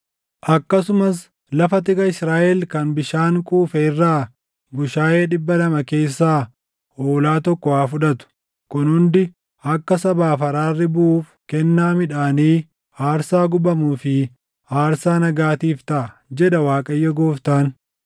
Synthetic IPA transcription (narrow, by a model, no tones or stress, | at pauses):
ʔɐkːɐsʊmɐs | lɐfɐt̪ɪkʼɐɪsɾaːʔɛlkɐnbɪʃaːŋkʼuːfɛɪrːaː | ɡʊʃaːeːᶑɪbːɐlɐmɐke̞ːsːaː | oːlaːt̪ɔkːɔwaːfʊᶑɐt̪ʊ̥ | kʊnhʊnd̪ɪ | ʔɐkːɐsɐbaːfɐɾaːrːɪbʊʔuːfkɛnːaːmɪᶑaːniː | aːɾsaːɡʊbɐmuːfɪ | aːɾsaːnɐɡaːt̪iːft̪ɐʔɐd͡ʒɛᶑɐwaːkʼɐjːɐɡoːft̪aːn